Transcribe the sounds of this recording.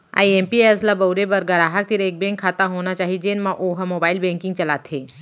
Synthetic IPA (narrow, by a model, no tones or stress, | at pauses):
a̰ːiẽːmpieːslabɐwɾebɐɾɡɐɾaːɦək̚t̪ɪɾeːk̚bẽːŋkʰːaːt̪aɦoːnat͡ʃaːɦid͡ʒenmãʔoːɦmoːbaːɪlbɛ̃ːŋkɪ̃ŋɡt͡ʃɐlaːt̪ʰeː